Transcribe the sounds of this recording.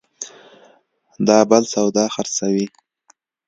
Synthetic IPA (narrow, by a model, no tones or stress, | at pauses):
d̪ɑbalsawd̪ɑxaɾsawi